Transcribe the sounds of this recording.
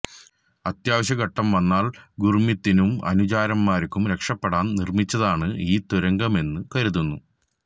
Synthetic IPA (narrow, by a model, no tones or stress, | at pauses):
ɐt̪jaːʋɐɕɐɣɐʈːɐmʋɐnːaːlɡurmit̪ːinumɐ̰nud͡ʑaːɾɐmːaːɾikʲːumɾe̞kʂɐpːeɽaːnnirmit͡ɕːɐðaːɳɨiːt̪uɾɐŋɡɐme̞nːɨkɐɾuðunːu